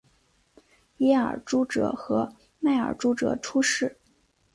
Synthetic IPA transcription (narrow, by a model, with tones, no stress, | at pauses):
jɛ˧˥ə̰˞˨˩ʈ͡ʂu˥ʈ͡ʂɤ̰˨˩xɤ˧˥ | ma˥˩ɪə̰˞˨˩ʈ͡ʂu˥ʈ͡ʂɤ̰˨˩ʈ͡ʂʰu˥ʂɻ̩˥˩